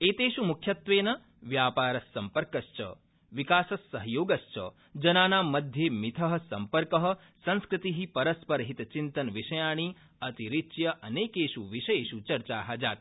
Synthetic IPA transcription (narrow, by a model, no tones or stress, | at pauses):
eːt̪eːʃumukʰjɐt̪ʋeːnɐ | ʋjaːpaːɾɐsːɐmpɐɾkɐʃt͡ʃɐ̰ | ʋikaːsɐsːɐɦjoːɡɐʃt͡ʃɐ̰ | d͡ʒɐnaːnaːmːɐd̪ʱjeːmit̪ʰɐɦɐ̆sɐmpɐɾkɐɦɐ̆ | sɐ̃nskɾɪt̪iɦipɐɾɐspɐɾɦit̪t͡ʃint̪ɐnʋiʃɐjaːɳ̃iː | ɐt̪iɾitːʃjɐʔɐneːkeːʃuʋiʃɐjeːʃut͡ʃɐɾt͡ʃaːɦaːd͡ʒaːt̪̚